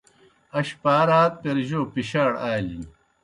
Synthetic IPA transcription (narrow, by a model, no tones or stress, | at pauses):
ɐɕpaːɾaːt̪̚peɾʑoːpiɕaːɽaːlḭ